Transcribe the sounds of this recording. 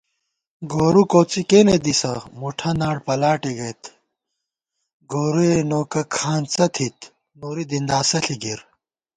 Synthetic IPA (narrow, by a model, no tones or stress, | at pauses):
ɡoːɾukoːt͡sikeːned̪isɐmuʈʰɐnaːɽpɐlaːʈiɡɐjt̪ | ɡoːɾuenoːkɐkʰaːnt͡sɐt̪ʰit̪ | noːɾid̪ind̪aːsɐɬiɡiɾ